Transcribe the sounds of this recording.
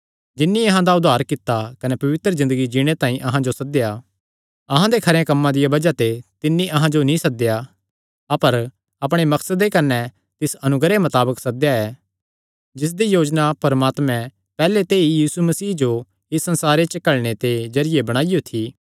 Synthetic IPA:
d͡ʒɪnːiɐɦãd̪aʊd̪ʱaːɾkɪt̪ːakɐnɛpɐʋɪt̪ɾəzɪ̃nd̪əɡid͡ʒiːɽ̃et̪ãːĩʔɐɦãd͡ʒosɐd̪eja | ɐɦãd̪ekʰɐɾẽkɐmːãd̪ɪjabɐd͡ʒat̪et̪ɪnːĩʔɐɦãd͡ʒonĩsɐd̪eja | ɐpəɾ | ɐpɽ̃emɐksəd̪ːekɐnɛ | t̪ɪsɐnʊɡɾemɐt̪aːbəksɐd̪ejaɛː | d͡ʒɪs̬d̪ijoːd͡ʒnapɐɾmaːt̪mɛ̃ | pɛːlet̪eːijiːsumɐsiːd͡ʒo | ɪsːɐ̃nsaːɾet͡ʃɐkɐɭɽ̃et̪ed͡ʒɐɾɪjebɐɽ̃aːɪjot̪ʰiː

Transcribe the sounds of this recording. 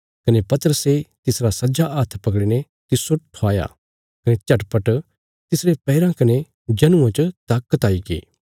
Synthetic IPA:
kɐnepɐt̪əɾəset̪ɪsɾasɐd͡ʒaʔaːt̪ʰpɐkɽine | t̪ɪsːoʈʰoaːja̰ | kɐnet͡ʃɐʈpɐʈ | t̪ɪsɾepɛːɪɾãkɐne | d͡ʒɐnʊ̃ãt͡ʃt̪aːkːət̪aːikḛː

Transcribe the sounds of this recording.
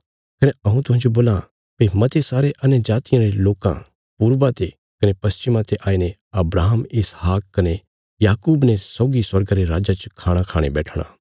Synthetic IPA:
kɐneɐũt̪̬ʊɦãnd͡ʒoboːlã | pemɐt̪esaːɾeʔɐnjd͡ʒaːt̪ɪjãɾeloːkã̰ | puɾbãt̪e | kɐnepɐst͡ʃɪmãt̪eʔaːiːne | ɐbɾaːɦəmɪsɦaːkkːɐne | jaːkuːbnɛsɔːɡiswɐɾɡaɾeɾaːd͡ʒat͡ʃkʰaːɽ̃akʰaːɽ̃ḛbɛːʈʰɽ̃a̰ː

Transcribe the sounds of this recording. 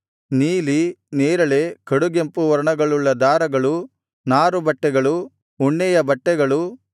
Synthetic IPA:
niːlineːɾɐɭe̞kɐɽuɡempuʋɐɾɐɳɐɡɐɭuɭːɐd̪aːɾɐɡɐɭu | naːɾubɐʈːɛɡɐɭu | uɳːɛjɐbɐʈːɛɡɐɭu

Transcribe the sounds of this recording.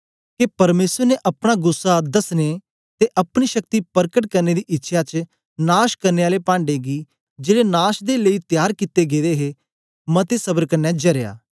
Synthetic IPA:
kepɐɾmeːsəɾneʔɐpɽ̃aɡʊsːad̪ɐsne | t̪eʔɐpɽ̃iʃɐk̚t̪ipɐɾkəʈkɐɾneːd̪iʔɪtːʃʰjat͡ʃ | naːʃkɐɾneːaːlepãːɳɖeɡiː | d͡ʒeːɽenaːʃd̪eləiːt̪jaːɾkit̪ːeɡeːd̪eɦe | mɐt̪esɐbəɾkɐnːɛd͡ʒɐɾja̰ː

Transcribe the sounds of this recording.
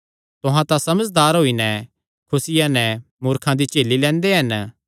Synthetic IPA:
t̪ʊɦãt̪ãsɐməd͡ʒd̪aːɾɦoːinɛ | kʰʊsɪjãnɛ | mʊːɾkʰãd̪it͡ʃeːlilɛ̃ːnd̪eɦɐn

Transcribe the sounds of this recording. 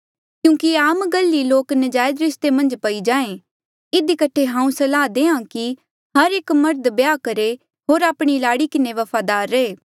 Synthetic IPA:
kjũːkiaːmɡəlːiloːknɐd͡ʒaːjəd̪ɾɪst̪emɐ̃nd͡ʒpɐid͡ʒãːẽ | ɪd̪ikɐʈʰeɦãːũsɐlaːd̪eːãki | ɦɐɾeːkmɐɾd̪bjaːkɐɾe | ɦoːɾaːpɽ̃ilaːɽikɪneʋɐpʰaːd̪aːɾːɐeː

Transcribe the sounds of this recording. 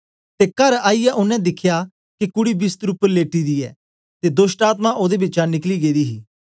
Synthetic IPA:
t̪eːkɐɾaːijaʔʊnɛ̃d̪ɪkʰːja | kikʊɽibɪst̪ɾupəɾleːʈid̪iːɛ̰ː | t̪eːd̪osʈaːt̪mãʔoːd̪ebɪt͡ʃanɪkliːɡeːd̪iːɦiː

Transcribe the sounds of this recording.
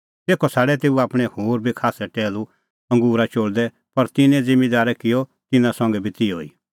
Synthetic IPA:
t̪eːkʰɔsaːɽɛt̪eːuaːpɽ̃ɛ̃hoːɾbʱikʰaːsɛʈɛːlu | ɐ̃ŋɡuːɾat͡ʃoːɽd̪ɛ | pɐɾt̪ɪnɛ̃d͡zɪ̃mid̪aːɾɛkɪjɔt̪ɪnãsɐ̃ŋɡɛbʱit̪io̰ːḭ

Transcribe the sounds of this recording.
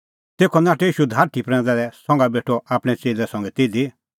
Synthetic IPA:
t̪eːkʰɔnaːʈɛiːʃud̪ʱaːɾʈʰipɾɛ̃ːnd̪alɛsɔ̃ŋɡabeːʈʰɔapɽ̃ɛt͡seːlɛsɐ̃ŋɡɛt̪eːd̪i

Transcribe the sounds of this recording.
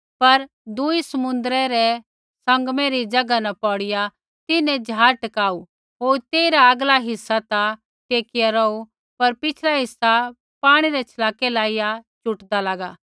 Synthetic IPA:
pɐɾ | d̪ʊisɐmʊ̃nd̪əɾɛɾɛ | sɐ̃ŋɡmeɾid͡ʒɐɡanɐpɔːɽɪja | t̪ɪnɛ̃d͡ʒʱaːɾʈɐkaːu | ɦoːɾt̪eːiɾaɐɡlaɦɪsːat̪a | t̪eːkɪjaɾɔːu | pɐɾpɪt͡ʃʰlaɦɪsːa | paːɽ̃iɾɛt͡ʃʰɐlaːkelaːɪjat͡ʃʊʈd̪alaːɡaː

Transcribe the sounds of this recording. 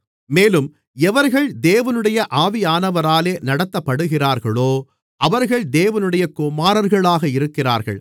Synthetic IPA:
meːlɯm | ɛʋɐɾɣɐɭd̪eːʋɐnɯɽɐjɐʔaːʋɪjaːnɐʋɐɾaːleːnɐɽɐt̪ːɐpːɐɽɯɣɪraːɾɣɐɭoː | ʔɐʋɐɾɣɐɭd̪eːʋɐnɯɽɐjɐkʊmaːɾɐɾɣɐɭaːɣɐɪɾɯkːɪra̰ːɾɣɐ̰ɭ

